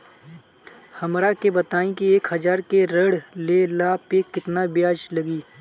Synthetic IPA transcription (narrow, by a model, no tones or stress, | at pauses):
hɐmɾakebət̪aːĩkieːkhɐd͡ʒaːɾkeɾəɽlelaːpekɪt̪nabjaːd͡ʒləɡiː